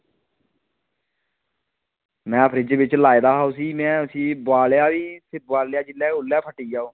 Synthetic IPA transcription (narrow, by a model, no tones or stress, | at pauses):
mɛ̃ːəpʰɾɪd͡ʒbɪt͡ʃlaːed̪aːɦaːoːsiːmɛ̃ːʊsĩːbʊaːlejaːʋiːsɪbʊaːlejaːd͡ʒɪlːɛːɡʊlːjaːpʰəʈːiːd͡ʒaːoː